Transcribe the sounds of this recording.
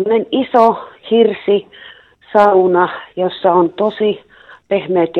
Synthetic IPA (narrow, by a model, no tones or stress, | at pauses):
onenisohirsi | sɑunɑjosːɑont̪osi | pehmeːt̪j